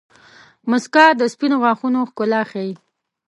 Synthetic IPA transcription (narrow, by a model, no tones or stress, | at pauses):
mʊskɑd̪əspinoɣwɑxunoxkʊlɑxai